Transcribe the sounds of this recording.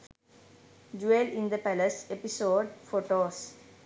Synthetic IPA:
d͡ʒuelɪ̃nd̪əpæləsepisoːɖfoːʈoːs

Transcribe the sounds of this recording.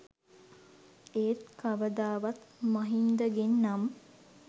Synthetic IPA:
eːt̪̚kaʋəd̪aːʋat̪maɦind̪əɡenːam

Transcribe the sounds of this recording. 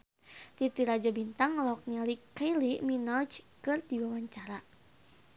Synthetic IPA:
t̪it̪iɾad͡ʒabint̪aŋlɔk̚ɲalikailiminɔd͡ʒkɨrd̪iwawaɲt͡ʃaɾa

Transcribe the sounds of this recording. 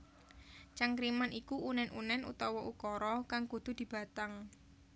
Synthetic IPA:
t͡ʃaŋkɾimanikuʔunɛnʔunɛnṵt̪ɔwɔʔukɔɾɔkaŋkud̪̥ṳd̪̥i̤b̥a̤t̪aŋ

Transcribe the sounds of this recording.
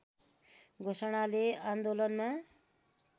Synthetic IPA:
ɡʱosʌɽ̃aleand̪olʌnma

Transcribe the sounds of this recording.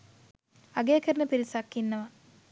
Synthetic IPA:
ɐɡeːkəɾnəpiɾisakːinːɐʋɐ

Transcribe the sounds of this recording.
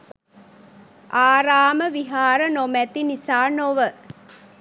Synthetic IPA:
ʔaːɾaːməʋiɦaːɾənomɛt̪inisaːnoʋə

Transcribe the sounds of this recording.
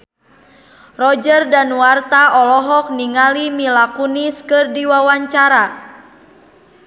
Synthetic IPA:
rɔd͡ʒərdanwart̪aʔɔlɔɦɔk̚niŋalimilakuniskɨrdiwawaɲt͡ʃaɾa

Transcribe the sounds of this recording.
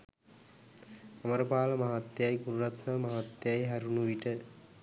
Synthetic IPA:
aməɾəpaːləmaɦat̪ːejajɡuɾuɾat̪məmaɦat̪ːejajɦæɾunuʋiʈə

